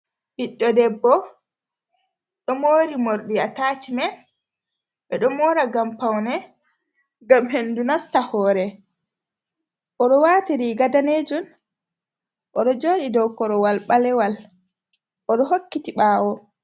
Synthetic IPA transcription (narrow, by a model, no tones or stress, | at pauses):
biɗːɔdɛbːɔ | ɗɔmoːɾimoɾɗiataːtimɛn | ɓɛɗɔmɔːɾaɡampawnɛ | ɡamɦendunastahɔːɾɛ | ʔɔɗɔwatiɾiɡadaned͡ʒun | ʔɔɗɔd͡ʒoːɗidɔwkɔɾɔwalɓalɛwal | ʔɔɗɔɦokːitiɓaːwɔ